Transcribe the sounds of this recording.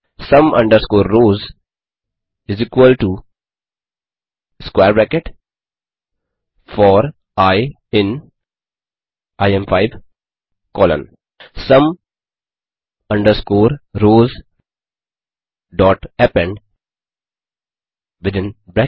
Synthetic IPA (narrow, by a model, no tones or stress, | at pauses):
sʌ̃mʌ̰̃ɳɖəɾskoːɾːoːz | ɪzikwəlʈu | skweːɾbækeʈ | fɔːɾ | aɪ | ɪ̃n | ʔaɪɛ̃mfaɪʋ | kɔːlə̰̃n | sʌ̃m | ʌ̃ɳɖəɾskoːɾɾoːz | ɖɔːʈɛpɛ̃ɳɖ | ʋɪd̪ɪ̃nbɾɛ